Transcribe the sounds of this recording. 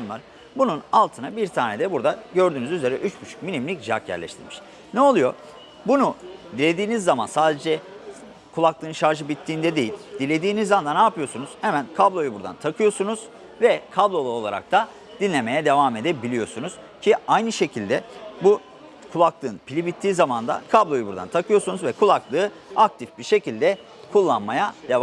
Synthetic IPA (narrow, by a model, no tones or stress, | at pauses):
nˠaɾ | bununalˠt̪ʰɯnabiɾt̪ʰaːned̪ɛbuɾd̪aɟø̞ɾd̪yːnyzyze̞ɾɛʔyt͡ʃcyt͡ʃʰy̥c̚minimlʲicd͡ʒiakjæ̰ɾlʲɛ̰ʃt̪ʰḭɾmiʃ | nɛo̞lˠujo̞̰ | bunud̪ilʲe̞d̪iːnizːamansaːd̪e̞d͡ʒɛ | kʰulˠaklˠɯːnʃaɾʒɯbit̪ʰːiːnd̪ɛd̪e̞jilʲd̪̥ilʲe̞d̪iːnizːaand̪anaːpɯjo̞sunuz̥hemænkʰablˠo̞jubuɾd̪a̰nt̪ʰakʰɯjo̞sunuz̥ | vɛkʰablˠo̞lˠao̞lˠa̰ɾa̰k̚t̪ʰa | d̪̥inlʲe̞me̞jɛd̪e̞vaːme̞d̪ɛbilʲijo̞sunuz̥ | cʰiajnɯʃe̞cʰilʲd̪ɛbu | kʰulˠaklˠɯːnpʰilʲibit̪ʰːiːzamand̪a̰kʰablˠo̞jubuɾd̪a̰nt̪ʰakʰɯjo̞sunuzvɛkʰulˠaklˠɯː | ak̚t̪ʰifbiɾʃe̞cilʲd̪ɛ | kʰulˠːanmajad̪ev